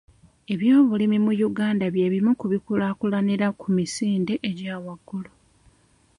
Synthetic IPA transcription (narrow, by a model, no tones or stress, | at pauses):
e̞βjo̞ːβulimimujuɡaːndaβje̞βimukuβikulaːkulaniɾakʰumisiːnde̞ʔeɟaːwaɡːulo